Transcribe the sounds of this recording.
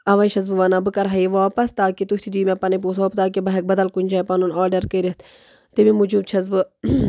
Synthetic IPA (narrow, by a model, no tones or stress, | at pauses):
ɐʋɐjʃɐzbɨʋanaːbɨkɐɾɦɐiʋaːpɐst̪aːkit̪uht̪ʰid̪iːmepɐnɐp̬uːsoːpt̪aːk̬ibɐɦek̚bɐd̪ɐlkunʲd͡ʒaːjpɐnunaːɾɖɐɾkəɾit̪ʰ | t̪imimud͡ʒuːb̚t͡ʃʰɐzbɨ